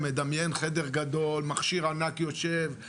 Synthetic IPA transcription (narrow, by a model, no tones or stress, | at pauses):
me̞d̪amjenχed̪eʁɡad̪o̞lmaχʃiʁanakjo̞ʃev